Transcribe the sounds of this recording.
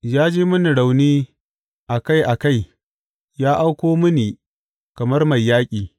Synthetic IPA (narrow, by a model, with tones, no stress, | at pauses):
jaː˦d͡ʒeː˦mʊ˦ni˨ɽa˨wniː˦ | ʔa˨ka˦˨jʔa˨ka˦j | jaː˦ʔa˦wkʷoː˦mʊ˦niː˨ | kɐ˨mɐ˦rma˨jːaː˦kʲʼiː˨